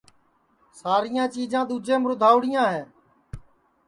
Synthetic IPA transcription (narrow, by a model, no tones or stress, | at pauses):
saːɾɪjãːt͡ʃiːd͡ʒãːɗ̪uːd͡ʒẽːmɾʊd̪ʱaːʊɽɪjãːɦeː